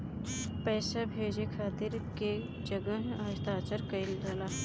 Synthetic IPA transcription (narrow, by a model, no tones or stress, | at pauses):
pɛːsabʱeːd͡ʒekʰaːt̪ɪɾke | d͡ʒəɡəɦaːt̪aːt͡ʃəɾkəɪldalaː